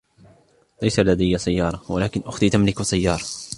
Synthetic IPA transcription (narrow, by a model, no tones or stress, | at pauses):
lajsalad̪ajːasajːɑːɾˤɑwalaːkɪnʔʊxt̪it̪amlɪksajːɑːɾˤɑ